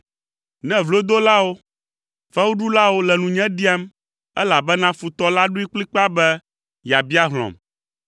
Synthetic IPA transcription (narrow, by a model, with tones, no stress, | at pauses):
nɛ̃˦vlo˦d̪o˦la˦wo˦ | fɛ˦wu˦ɖu˦la˦wo˦lɛ˨nũ˨ɲɛ̃˦ɖi˦a˦m | ɛ˦la˨bɛ˦nã˦fu˨t̪ɔ˦la˦ɖu˦i˦k͡pli˦k͡pa˦bɛ˦ | ja˨bi˦a˦ɦl̃ɔ̰̃˨m